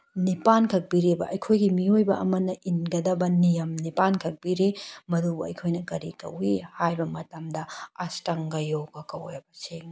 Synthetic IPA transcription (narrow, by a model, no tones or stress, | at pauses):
nipankʰɐk̚biɾebɐ̰ʔɐjkʰojɡimiojbɐʔɐmɐnːɐʔinɡɐdɐbɐnijɐmnipankʰɐk̚b̥iɾemɐdubuɐ̰jkʰojnɐkɐɾikɐ̰wihajbɐmɐtɐmdɐɐstɐŋɡɐjoɡɐkɐw̰jɐbɐseŋ